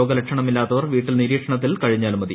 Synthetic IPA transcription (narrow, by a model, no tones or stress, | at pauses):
oːɡɐlekʂɐɳɐmilːaːt̪ːɐʋɐrʋiːʈːilniɾiːkʂɐɳɐt̪ːilkɐɻiɲːaːlmɐðḭ